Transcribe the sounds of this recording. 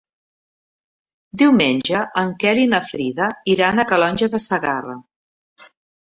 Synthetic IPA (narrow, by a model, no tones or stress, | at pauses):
d̪iwmenʲʒəʔəŋkɛlinəfɾiðəiɾanəkəlɔnʲʒəðəsəɣarə